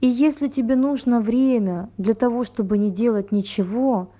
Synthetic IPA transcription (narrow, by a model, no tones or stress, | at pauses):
ijesʲlʲɪtʲɪbʲe̞nuʐnəvɾʲemʲəd̪lʲɐt̪ɐvo̞ʂt̪o̞bɨnʲɪdʲe̞lˠətʲnʲɪt͡ɕɪvo̞